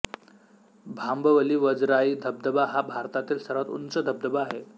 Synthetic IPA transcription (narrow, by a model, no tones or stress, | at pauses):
bʱambəʋəliːʋəd͡zɾaiːd̪ʱəb̚d̪əbaɦabʱaɾt̪at̪iːlsəɾʋat̪ṵnt͡səd̪ʱəb̚d̪əbaaɦe